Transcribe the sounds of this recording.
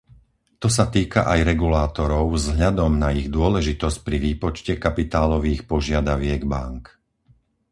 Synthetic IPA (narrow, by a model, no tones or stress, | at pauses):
t̪ɔs̬at̪iːka̰ʔajɾɛɡulaːt̪ɔɾɔʊvzɦʎad̪ɔmnaiɣd̪ʊɔlɛʒit̪ɔsc̚pɾiʋiːpɔt͡ʃcɛkapit̪aːlɔʋiːxpɔʒɪad̪aʋɪɛɡbaŋk